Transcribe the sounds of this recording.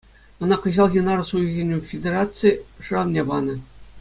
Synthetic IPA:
ɤ̆nɑkɤ̆ʑɑlˠɣʲinɑɾsujɣʲenʲufʲedʲerɑtt͡sɨjʂɯɑʋnʲebɑnɤ̆

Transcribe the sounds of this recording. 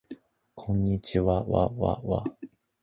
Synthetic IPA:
kʰõɲːit͡ʃiwawa̰wa̰wa̰

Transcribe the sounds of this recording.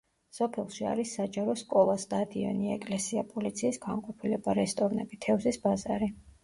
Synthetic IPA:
sɔpʰɛlˠʃia̰ɾisːad͡ʒaɾɔskʼɔlˠasd̪ad̪iɛ̰niɛkʼlɛsiapʼɔlit̪sʰiːsɡ̥aŋqʼɔpʰilɛbaɾɛst̪ʼɔvnɛbit̪ʰɛvzisbazaɾi

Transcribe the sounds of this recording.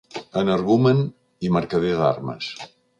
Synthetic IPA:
ənəɾɣumən | iməɾkəðeða̰ɾmə̰s

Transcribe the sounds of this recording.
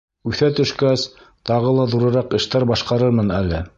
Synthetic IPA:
ʉθæt̪ɵ̆ʃkæs | t̪ɑʁɤlˠɑðuɾɤ̆ɾɑqɘ̆ʃt̪æɾbɑʃqɑɾɤɾmɤnælːɘ

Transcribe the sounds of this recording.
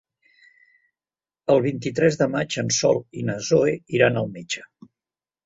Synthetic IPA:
əlˠβ̞int̪it̪ɾɛzðəmad͡ʒənsɔ̰lˠinəzoeiɾanəlˠmet͡ʃə̥

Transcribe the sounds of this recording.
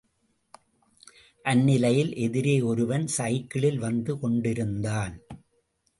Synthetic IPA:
ʔɐnːɪlɐjɪlʔɛðɪɾeːɔɾɯʋɐnsɐjɪkːɐɭɪlʋɐnd̪ɯkɔɳɖɪɾɯnd̪aːn

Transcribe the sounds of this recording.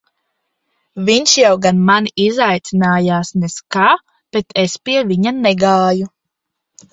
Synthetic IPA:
vʲiɲʃjawɡanmanizajt̪sinaːjaːsneskaː | b̥et̪ʰespiɛviɲanɛɡaːju

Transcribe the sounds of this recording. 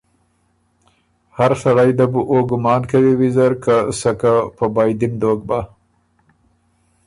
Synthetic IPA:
haɾsaɽajd̪abuʔoɡʊmɑːnkawiwizaɾkasakapəbajd̪imd̪oːɡ̚ba

